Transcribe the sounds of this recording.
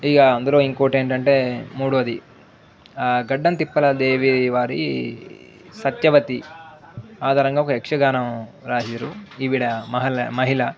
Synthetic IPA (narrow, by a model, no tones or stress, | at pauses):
iːɡɐːnd̪ulo̞ːiŋkoːʈeːɳʈɐɳʈe̞ːmuːɽuʋɐd̪i | ɡɐɖːɐnt̪ipːɐlɐd̪eːʋiʋaːɾḭ | sɐt̪jɐʋɐt̪i | aːd̪ʱaːɾɐŋɡaːɔkɐɛkʂɐɡaːnɐmɾaːɦiɾuiʋiɽɐmɐɦɐlɐmɐɦilɐ